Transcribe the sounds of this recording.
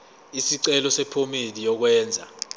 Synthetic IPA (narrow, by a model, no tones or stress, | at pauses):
isiǀɛlɔsɛpʰomidijɔk̬wɛːnd͡zʱa